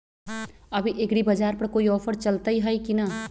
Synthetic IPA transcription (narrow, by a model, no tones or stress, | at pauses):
ɐbʱiʔekɽibɐd͡ʒaːɾpɐɾkoːiɔːpʰəɾt͡ʃəlt̪əiɦəjkina